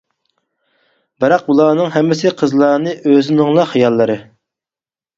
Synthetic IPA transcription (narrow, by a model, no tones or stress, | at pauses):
bɪɾɑq̚bulˠɑːnɨŋɦɛmːɪsɪqʰəzlˠɑːnɨʔøzɪnɪŋlˠɑχijɑlˠːɨɾɨ